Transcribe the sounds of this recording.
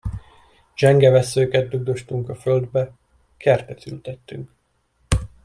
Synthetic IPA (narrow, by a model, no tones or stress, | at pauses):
d͡ʒɛŋɡɛvɛsːøːkɛd̪̚d̪uɡ̚d̪o̞ʃt̪uŋkɒføld̪bɛ | kʰɛrt̪ɛt̪y̰lt̪ɛt̪ːyŋk